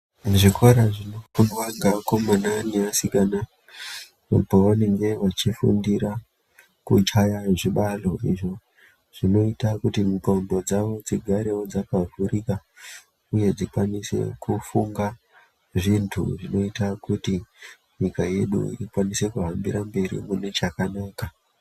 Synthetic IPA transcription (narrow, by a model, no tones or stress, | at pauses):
muʐiko̞ɾaʐinokunwaŋɡako̞mananeasikana | poʋane̞ŋɡe̞ʋat͡ʃifṵndiɾa | kut͡ʃajaʐiɓalo̞ʔḭʐo̞ | ʐ̥ino̞itakutimukombo̞d͡zaʋo̞d͡ziɡʱaɾe̞wo̞d͡zakavʱuɾika | uje̞d͡zikwanise̞̰kufuŋɡa | ʐintʰṵʐino̞itakuti | ɲikaje̞ɗṵḭikwanise̞kuɦambiɾambe̞ɾḭmunet͡ʃakanaːka